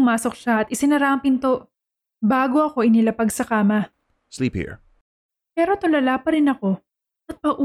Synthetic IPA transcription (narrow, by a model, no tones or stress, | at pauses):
maːso̞k̚ʃaɐt̪ʔɪsɪnɐɾaʔɐŋpɪnt̪o̞ʔ | baːɡo̞ʔɐko̞ʔɪnɪlɐpɐɡsɐkaːmɐ | sliphḭɹ | pɛːɾo̞t̪olɐlapɐɾɪnɐko̞ | ʔɐt̪̚pɐɡʔu